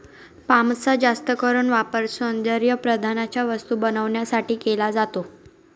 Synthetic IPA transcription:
pamt͡sad͡zast̪əkəɾuːnʋapəɾsond̪əɾjəpɾəd̪ʱanat͡ɕjaʋəst̪uːbənəʋɳjasaʈiːkelad͡zat̪o

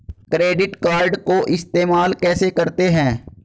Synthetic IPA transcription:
kɾeːɖɪʈkaːɾɖkoʔɪst̪eːmaːlkɛːsekɐɾt̪eɦɛ̃ː

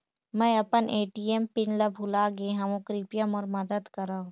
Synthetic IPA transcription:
mɛ̃ːɐpənʔeːʈiːempɪnləbʱulaɡeɦɐmõkɾipjəmɔːɾmɐd̪əd̪kəɾaːõ

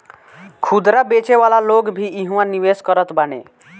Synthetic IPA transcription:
kʰud̪ɾabet͡ʃeʋalaloɡbʱiiɦũwaniʋeskəɾət̪banḛ

